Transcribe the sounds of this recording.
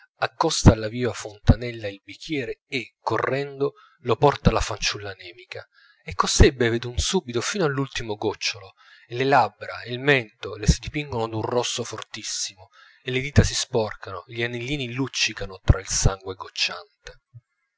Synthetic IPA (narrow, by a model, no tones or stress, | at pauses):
akːɔst̪aːlːaviːvafont̪anɛlːailbik̟ʰːjɛːɾeːkːorːɛnd̪o | lopɔrt̪alafant͡ʃulːanɛːmika | ekːosɛbːeved̪unsuːbit̪ofiːnoalːult̪imoɡɔt͡ʃːolo | elelabːɾailmɛnt̪olesid̪ipiŋɡonod̪unrɔsːofort̪isːimo | elːed̪iːt̪asispɔrkʰanoʎanelːiːnilut͡ʃːikanot̪ɾʔailsaŋɡweɡot͡ʃːant̪e